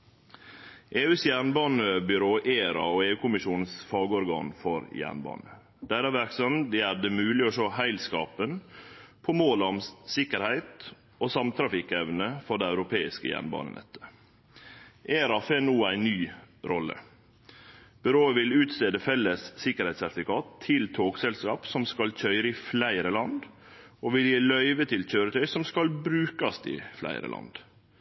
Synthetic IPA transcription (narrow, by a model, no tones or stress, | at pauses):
ʔeːʉːsjæːɳbɑːnəbʏɾoːʔeːɾɑ̰oːeːʉːkʰʊmɪʃuːnsfɑːɡəɔɾɡɑ̰ːnfɔɾjæ̰ːɳbɑ̰ːnə | d̪̥æɾæʋæɾksɔmd̪æd̪əmʉːlɪɔʃoːhæɪlskɑːpənpʰɔmoːləɔmsɪkəɾhæɪt̪ | oːsɑmt̪ʰɾɑfɪkːɛʋnəfɔɖ̪æɪæʉɾʊpʰeːɪskəjæ̰ːɳbɑ̰ːnə̰nɛ̰t̪ʰːə̥ | ʔeːɾɑfeːnuːæɪnyː | ɾɔlːə̰ | b̥ʉɾoːəʋɪlʉːt̪st̪eːd̪əfɛlːəsːɪkəɾhæɪt̪sæɾfɪkɑːt̪ʰːɪlt̪ʰoːɡsɛlskɑːpsɔmskɑlc͡çʰœʏɾəɪflæɪɾəlɑnd̪ | oːʋɪljeːlœʏʋət̪ʰɪlc͡çøːɾət̪ʰœʏsɔmskɑlbɾʉːkɑst̪ɪ̰flæ̰ɪɾə̰lʔɑ̰nd̪̥